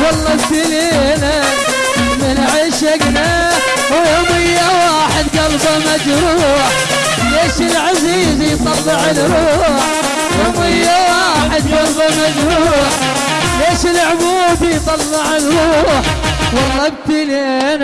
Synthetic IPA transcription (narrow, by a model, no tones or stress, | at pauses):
ɡɑlːɑbt̪ileː | na | mɪnʕiːʃaɡnaː | wjoːmɪjːawaːħɪd̪ɡalbamad͡ʒɾuːħ | leːʃɪlʕaziːzjt̪ˤɑlːɪʕɪlɾuːħ | joːmɪjːawaːħɪd̪ɡalbamad͡ʒɾuħ | leːʃɪlʕʊbuːd̪ijt̪ˤɑlːɪʕɪlɾˤuːħ | wɑlˤːɑb̚t̪ileːn